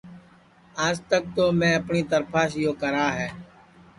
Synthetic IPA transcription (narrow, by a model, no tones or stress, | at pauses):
aːd͡ʒt̪ək̚t̪oːmɛ̃ːəpɳiːt̪əɾpʰaːʃjoːkəɾaːɦɛː